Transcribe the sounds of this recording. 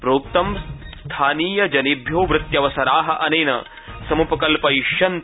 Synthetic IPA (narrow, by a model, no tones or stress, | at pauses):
pɾoːkt̪ɐmst̪ʰaːniːjɐd͡ʒɐnibʱjoːʋɾɪt̪jɐʋɐsɐɾaːɦɐ̆ʔɐneːnɐ̰ | sɐmupɐkɐlpɐiʃjɐnt̪